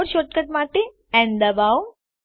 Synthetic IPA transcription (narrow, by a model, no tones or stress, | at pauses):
ɾʃoːt̪̚kəʈ̪maʈ̪e | ɛ̃nd̪əbaw